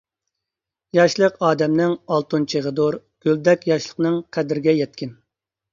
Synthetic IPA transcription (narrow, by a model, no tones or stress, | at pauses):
jɑʃlˠəqɑːd̪ɛmnɪŋɑlˠt̪unt͡ʃʰeʁəd̪oɾ | ɡ̥ʲøld̪ɛkʲjɑʃlˠəqnɨŋqʰæd̪ɪɾɪɡʲɛjɛt̪̚kʲɪn